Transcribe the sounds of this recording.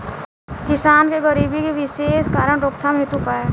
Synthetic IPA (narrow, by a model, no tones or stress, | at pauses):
kɪsaːnkeɡəɾiːbikiʋɪʃeːskaːɾəɳ̃ɾoːkt̪ʰamɦet̪upaːe